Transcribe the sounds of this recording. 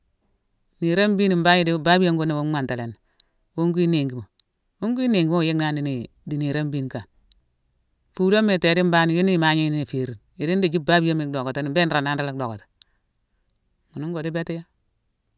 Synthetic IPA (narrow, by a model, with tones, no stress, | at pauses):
ni˨ɾa˦m˦bi˦ni˨m˦ba˦ɲi˦di˦ba˦bi˦jo˦ŋɡo˦na˨wo˦a˨nta˨le˨n˨ | wu˦ŋɡi˦ne˨ŋɡi˨mo˨ | wu˦ŋɡi˦ne˨ŋɡi˦mo˦˨je˦na˦ndi˨˦n˨ | di˨ni˨ɾa˦mbi˦nka˨n | fu˦lo˦mːe˨te˨di˦m˦ba˦ni˨jo˦ni˦˨ma˦ɲi˦ni˦ni˨fe˨ɾi˨n | i˨di˦ndi˨d͡ʒi˦ba˦bi˦a˦mi˨kdo˨ko˨te˦ni˨mbe˦n˦ɾa˨na˦nɾa˦le˦k̚do˨ko˨tḁ˨ | mu˨nu˦ŋɡo˨di˦be˦ti˦ja˦